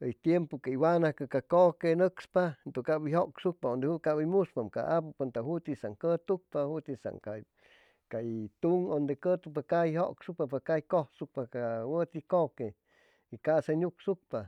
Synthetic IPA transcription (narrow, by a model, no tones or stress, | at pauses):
əjt̪jempokaiwanakɨkakokenəkspant̪oŋkabiɦoksuk̚paond̪ehukabimuspamka̰ʔapupant̪ahut̪isaŋkət̪uk̚pahut̪isa̰ŋka | kat̪uŋond̪ekət̪upakajhoʔksupapakajkohsuk̚pakawət̪ikoke | ikasaɲuksuk̚pa